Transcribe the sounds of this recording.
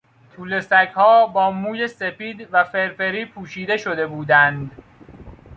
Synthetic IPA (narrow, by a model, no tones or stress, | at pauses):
t̪ʰuːle̞sækhɒːbɒːmuːje̞se̞piːd̪væfe̞ɾfe̞ɾiːpʰuːʃiːd̪e̞ʃo̞d̪e̞buːd̪ænd̪